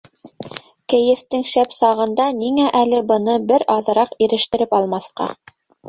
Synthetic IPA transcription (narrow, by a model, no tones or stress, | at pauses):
kɘ̆jɘ̆ft̪ɘŋʃæpsɑʁɤ̆nd̪ɑniŋæʔælɘbɤ̆nɤbɘɾɑðɤ̆ɾɑqiɾɘ̆ʃt̪ɘ̆ɾɘpɑlˠmɑθqɑ̰